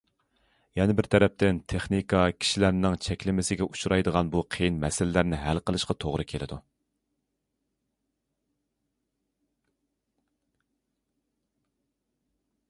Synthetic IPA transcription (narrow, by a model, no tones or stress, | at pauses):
jɛnɪbɪɾt̪ʰɛɾɛp̚t̪ɪnt̪ʰeχnikʰɑkʲʰi̥ʃilæɾnɪŋt͡ʃʰɛkʲlɪmɪsɪɡʲɛʔu̥ʃuɾɑjd̪əʁɑnbuqʰejinmɛsɪlɪlæɾnɪɦælqəlˠɨʃqɑt̪ʰoʁɾɨkʲʰelɪ̰d̪u